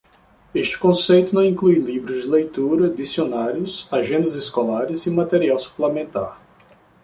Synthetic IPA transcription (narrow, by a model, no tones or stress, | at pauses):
eʃt͡ʃɪ̥kõsejt̪ʊnɐ̃w̃ĩklujlivɾʊzd͡ʒɪlejt̪uɾɐd̪isionaɾjʊsaʒẽnd̪ɐzɪskolaɾɪzɪmat̪eɾiawsu̥plemẽnt̪a̰ɾ